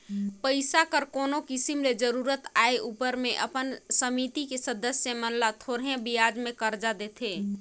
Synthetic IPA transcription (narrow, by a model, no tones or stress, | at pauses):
pəɪsakəɾkonokisimled͡ʒəɾuɾət̪aeʔupəɾmeʔəpənsəmit̪ikesəd̪əsjəmənlat̪ʰoɽɦẽbijad͡ʒmekəɾd͡ʒad̪et̪ʰe